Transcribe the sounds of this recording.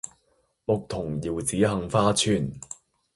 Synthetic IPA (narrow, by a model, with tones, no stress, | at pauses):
mʊ˨k̚t̪ʰʊ˨˩ŋjiː˨˩wt͡siː˨˥ɦɐ˨˧ŋfaː˥t͡sʰyː˧n